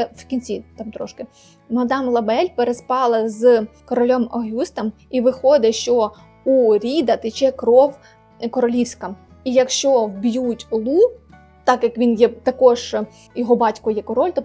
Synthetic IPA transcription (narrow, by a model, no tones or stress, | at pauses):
wkʲinʲt͡sʲit̪ɑmt̪ɾɔʃkɪ | mɔɔd̪ɑmlˠɐbɛlʲpeɾespɑlˠɐzkɔɾɔlʲɔmɔɦʲust̪ɐm | iʋɪxɔd̪ɪʃt͡ʃɔ | uɾʲid̪ɐt̪ɪt͡ʃɛkɾɔw | kɔɾɔlʲiwsʲkɐm | ijɐkʃt͡ʃɔwbʲjutʲlˠu | t̪ɑkjɐkʋʲinjɛt̪ɐkɔʒ | jɔɦɔbɑtʲkɔjɛkɔɾɔlʲt̪ɔ